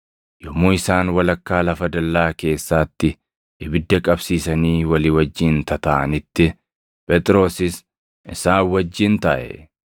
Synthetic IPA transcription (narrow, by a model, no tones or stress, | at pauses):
jɔmːuːɪsaːnwɐlɐkːaːlɐfɐd̪ɐlːaːke̞ːsːaːt̪ːɪ | ɪbɪd̪ːɐkʼɐbsiːsɐniːwɐliːwɐd͡ʒːɪnt̪ɐt̪ɐʔɐnɪt̪ːɪ | pʼɛt̪ʼɪɾo̞ːsɪs | ɪsaːwɐd͡ʒːɪnt̪ɐʔɛ̰